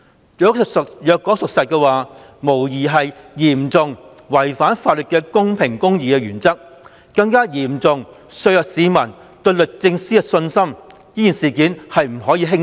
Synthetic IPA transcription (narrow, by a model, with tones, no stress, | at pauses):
jœː˨˥ksjœː˨kːɔ˨˥sʊ˨k̚sɐ˨t̚kɛː˧waː˨ | mo˨˩wjiː˨˩ɦɐ˨jjiː˨˩mt͡sʊ˨ŋ | wɐ˨˩jfaː˨˥nfaː˨t̚lə˨t̚kɛː˧kʊ˥ŋpʰɪ˨˩ŋkʊ˥ŋjiː˨kɛː˧jyː˨˩nt͡sɐ˥k̚ | kɐ˧ŋkaː˥jiː˨˩mt͡sʊ˨ŋ | sɵ˧ɥjœː˨k̚siː˨˧mɐ˨˩n | t̪ɵ˧ɥlɵ˨k̚t͡sɪ˧ŋsiː˥ɛ˧sɵ˧nsɐ˥m | jiː˥jiː˨˩nsiː˨˩kiː˨˥nhɐ˨jm̩˨˩ɦɔː˨˥jiː˧ɦɪ˥ŋ